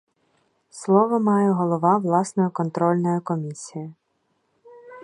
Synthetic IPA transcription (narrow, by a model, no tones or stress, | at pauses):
slˠɔʋɔmɑjɛɦɔlˠɔʋɑʋlˠɑsnɔjʊkɔnt̪ɾɔlʲnɔjʊkɔmʲisʲijɪ